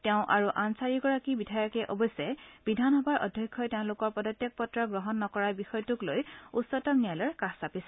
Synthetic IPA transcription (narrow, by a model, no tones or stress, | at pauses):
tɛʊ̃ʔaɹuʔansaɹiɡɔɹakibidʱajɔkɛʔɔbɔjsɛb̥idʱanɦɔbaɹʔɔ̰dʱjɔkʰːɔtɛʊ̃lʊkɔɹpɔdɔtjak̚pɔtɹɔɡɹɔɦɔnːɔkɔɹaɹbixɔjɔtuklojusɔtɔmnijalɔɹkasapisɛ